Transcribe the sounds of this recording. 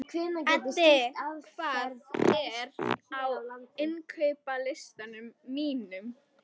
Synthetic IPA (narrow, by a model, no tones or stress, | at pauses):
kʰvɪːnacɛt̪aaðkʰvaːðɛɾawaɪnkʰœɥpalɪst̪anʏmːiːnʏm